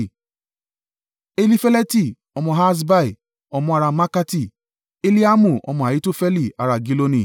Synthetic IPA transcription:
e˦li˦fɛ˦lɛ˦ti˦˨ | ɔ˧mɔ̃˧ɦa˦s̬ba˦i˨ | ɔ˧mɔ̃˧a˧ɾa˧ma˦ka˦ti˦˨ | e˦li˦a˦mũ˨ɔ̰˧mɔ̃˧a˨ji˨˦to˦fɛ˦li˦˨a˧ɾa˧ɡi˦lo˧nĩ˨

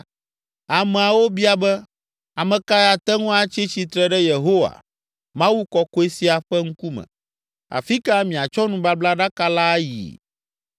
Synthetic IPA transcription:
a˨mɛ̃˨a˨wo˦bi˦a˨bɛ˦ | a˨mɛ̃˨ka˦ja˨t̪ɛ˦ŋũ˦a˦t͡ɕi˦t͡ɕi˨t̪ɾɛ˦ɖɛ˦je˨ɦo˦wa̰˨ | mã˦wu˦kɔ˦ko˦e˦si˦a˨ɸɛ˦ŋ̩˦ku˦mɛ̰̃˨ | a̰˨fi˦ka˦mĩ˨a˨t͡ʃɔ˦nũ˦ba˦bla˦ɖa˦ka˦la˦jḭ˨

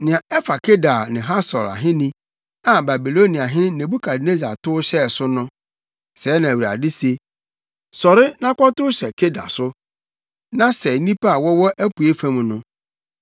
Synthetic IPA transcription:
nɪ̃˨ã˨ɛ˦fa˨kʰe˦da˨nɪ̃˨ɦa˦sɔ̰˨la̰˨ɦɪ̃˦nĩ˦ | a˨ba˨bi˨lo˦ni˨a˨ɦɪ̃˦nɪ̃˦nẽ˨bu˦kʰa˨dne˦za̰˨tʊ˦ɕɛ˦˨sʊ˦nʊ̃˦ | sɛː˨˦nã˨æ˨wi˨ɾa̰˨dɪ˦se˨ | sɔ˨ɾɪ˦nã˦kɔ˦tʊ˦ɕɛ˨kʰe˦da̰˨sʊ˦ | nã˦sɛ˨nĩ˦pa˦a˨wɔ˦wɔ˦ʔæ˦pu˨e˦fã˦m̃˨nʊ̃˦

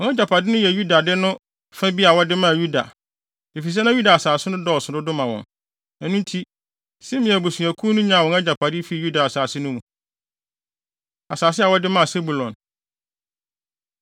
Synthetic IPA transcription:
wɔ̃˨ŋɛ˦d͡ʑa˨pʰa˨dɪ˦nʊ̃˦jɛ˨ju˦da˨dɪ˦nʊ̃˦ | fa˦bi˦a˨wɔ˦dɪ˦mã˦˨ju˦da̰˨ | e˨fi˨s̬ɛ˦nã˦ju˦da˨a˨saː˨sɪ˦nʊ̃˦dɔ˦˨sʊ˨dʊ˦dʊ̃˦mã˨wɔ̰̃˨n | ɛ˨nũ˦n˦tʰi˦ | sɛ˦mɪ̃˨æ˨bo˨su˨æ˨kʰuː˦nʊ̃˦ɲã˨wɔ̃˨ɛ˦d͡ʑa˨pʰa˨dɪ˦fi˨˦˨ju˦da˨a˨saː˨sɪ˦nʊ̃˦mũ˨ | a˨saː˨sɪ˦a˨wɔ˦dɪ˦mã˦a˨se˦bu˨lɔ̃˨n

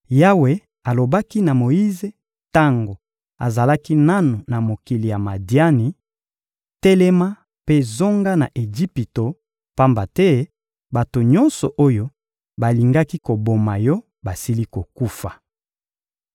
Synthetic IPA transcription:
ja˦we˨ | a˨lo˨ba˦ki˦na˨mo˨ji˦ze˨ | ta˦ŋɡo˨ | a̰˨za˨la˦ki˦na˦no˨na˨mo˨ki˨li˨ja˨ma˨dja˦ni˨ | tɛ˦lɛ˦ma˦ | pe˦zo˦ŋɡa˦na̰˨ʔe˨ʒi˦pi˨to˨ | pa˦mba˨tɛ˦ | ba˨to˨ɲɔ˦nsɔ̰˨ʔo˦jo˦ | ba˨li˨ŋɡa˦ki˦ko˨bo˨ma˨jɔ˦ | ba˨si˦li˦ko˨ku˦fa˨

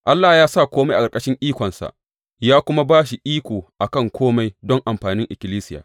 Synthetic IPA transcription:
ʔa˦lːaː˨jaː˦sa˦˨kʷoː˦ma˦jʔa˨kɐ˨kʼɐ˦ʃɪ˦ŋʔiː˦kʷɔ˨nsa̰˨ | jaː˦kʷʊ˦ma˦baː˦ʃi˨ʔiː˦kʷoː˨ʔa˨kɐ˦˨ŋkʷʰoː˦ma˦jdɔ˦ŋʔa˨mɸaː˨nɪ˦ŋʔɪ˨kʲɪ˨liː˦sɪ˦ja̰ː˨

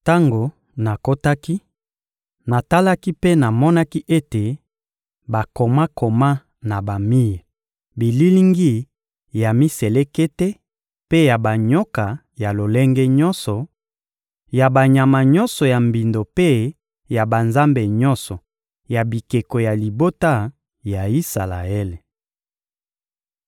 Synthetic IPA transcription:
ta˦ŋɡo˨ | na˨ko˦ta˦ki˦ | na˨ta˦la˦ki˦pe˦na˨mɔ˦na˦ki˦ʔe˦te˨ | ba˨ko˨ma˦ko˨ma˦ | na˨ba˨mi˦ja˨ | bi˨li˦li˦ŋɡi˦ | ja˨mi˦se˨le˦ke˦te˦ | pe˦ja˨ba˨ɲo˦ka˨ | ja˨lo˨le˦ŋɡe˦ɲɔ˦nsɔ˨ | ja˨ba˨ɲa˨ma˨ɲɔ˦nsɔ˨ja˨mbi˨ndo˨pe˦ | ja˨ba˨nza˦mbe˨ɲɔ̃˦nsɔ˨ | ja˨bi˨ke˨ko˨ja˨li˨bo˦ta˦˨ | ja˨i˦sa˨la̰˨e˦le˨

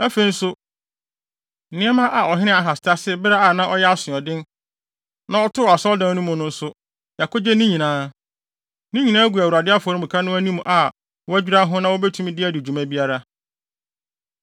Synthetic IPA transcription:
æ˦fe˨n̩˦sʊ˦ | n̩˨nɪ̃˦ɛ˦mã˦ʔa˨ɔ˨ɦɪ˦nɪ̃˦a˨ɦa˨sɪ̥˨tʰa˦sɪ˦bɪ˦ɾa˦a˨nã˦ʔɔ˦jɛ˦a˦sɪ̃˨ɔ˨dɪ̃˦n | nã˦ɔ˦tʰʊ˦˨a˨sɔ˦ldã˨˦nʊ̃˦mʊ̃˨nʊ̃˦n̩˦sʊ˦ | ja˨ko˦d͡ʑɛ˦nĩ˦ɲĩ˨nãː˨˦ | nĩ˦ɲĩ˨nãː˦æ˦ɡʷu˨æ˨u˨ɾa˨dɪ˦a˦fɔ˨ɾʊ̃˦mũ˨kʰa˦nʊ̃˦æ˦nĩ˦mũ˨ʔa˨ | wɔ˦æ˦d͡ʑᶣi˦ɾa˦ɦʊ̃˦nã˦wo˦bɛ˦tʰũ˦m̃˦dɪ˦æ˦dɪ˨d͡ʑu˨mã˦bi˦a˦ɾa˦

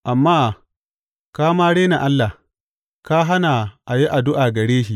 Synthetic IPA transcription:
ʔa˨mːaː˦ | kaː˦maː˦ɽeː˦na˨ʔa˦lːa˨h | kaː˦ɦa˦na˨ʔa˨ji˦ʔa˨dʊ˦ʔaː˨ɡɐ˨ɽeː˦ʃ̬i˦ʔ

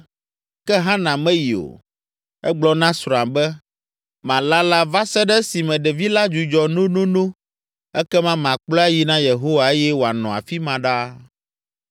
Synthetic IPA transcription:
kɛ˦ɦã˦nã˨mɛ̃˦ji˨o̰˨ | ɛ˦ɡ͡blɔ˦nã˦sɾa˨mbɛ˦ | mã˨la˦la˦va˦sɛ˦ɖɛ˦si˨mɛ̃˨ɖɛ˨vi˦la˦d͡ʒu˨d͡ʒɔ˨nõ˦nõ˦nõ˦ | ɛ˦kɛ˦mã˦m˨ã˨k͡plɔ˦a˦ji˦nã˦je˨ɦo˦wa˨e˦jɛ˦wo˨a˨nɔ̃˨a̰˨fi˦mã˨ɖa˦

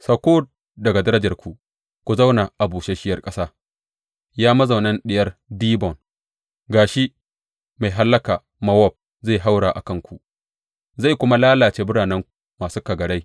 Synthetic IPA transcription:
sɐ˨kʷoː˦d̚ | dɐ˨ɡa˨dɐ˦ɾɐ˦d͡ʒɐ˨rkʷʰu˨ | kʷu˨za˦wna˨ʔa˨buː˨t͡ʃe˦ʃɪ˦jɐ˦˨rkʼɐ˦saː˦ | jaː˦mɐ˦za˨wnɐ˦nɗɪ˦jɐ˦rdiː˦bɔ˨n | ɡaː˨ʃi˦ | ma˨jɦa˦lːɐ˦kaː˨ | mɐ˦wɔ˦˨b̚ | za˦˨ɦa˦wɽaː˨ʔa̰˨kɐ˦ŋkʷu˨ʔ | za˦˨jkʷʊ˦ma˦laː˦laː˨t͡ʃeː˦bʊ˦ɽaː˨nɛ˦ŋ | maː˨suː˦ka˨ɡɐ˨ɽa˦j

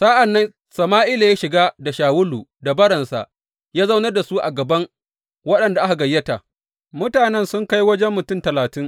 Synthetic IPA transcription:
sa˦ʔa˨nːɐ˦n | sɐ˨maː˦ʔɪ˦la˨jaː˦ʃɪ˨ɡaː˦da˨ʃaː˨wʊ˦luː˨da˨bɐ˦ɽɐ˨nsa̰˨ʔ | jaː˦za˦wnɐ˦rda˨su˦ʔa̰˨ɡɐ˨bɐ˦ŋ | wɐ˦ɗɐ˨nda˨ʔa˦ka˨ɡɐ˨jːɐ˦ta˨ | mʊ˦taː˨nɛ˦nsʊ˦ŋka˦jwɐ˦d͡ʒɛ˦mːʊ˨tʊ˦mtɐ˨laː˨tɪ˦ŋ

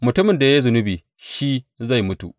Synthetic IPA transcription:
mʊ˨tʊ˦mɪ˨nda˨ja˦zʊ˨nʊ˦biː˨ | ʃi˦za˦˨jmʊ˦tṵ˨ʔ

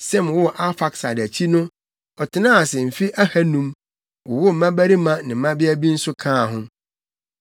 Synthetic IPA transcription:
sɛ˦˨m˨wʊ˦˨ʔa˦fa˨ksa˨dæ˨t͡ɕʰi˦nʊ̃˦ | ɔ˨tʰɪ˨nã˦a˨sɛ˨m̩˨fi˦ʔæ˦hæ˦nũ˦m | wʊ˨wʊ˦m̩˨˦mã˦bæ˦ɾi˦mã˦nɪ̃˨m̩˨mã˦bɪ˦æ˦bi˦n̩˦sʊ˦kʰãː˦˨ɦʊ̃˦

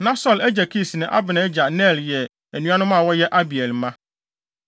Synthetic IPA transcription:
nã˦sɔ˦lɛ˦d͡ʑæ˨kʰi˦˨snɪ̃˨ʔa̰˦bɪ˨nã˨ɛ˦d͡ʑa˨nɛ˦˨ljɛ˨ | æ˨nũ˦ã˦nʊ̃˦mã˦˨wɔ˦jɛ˦ʔa˦bi˨ɛ˨lmã˦

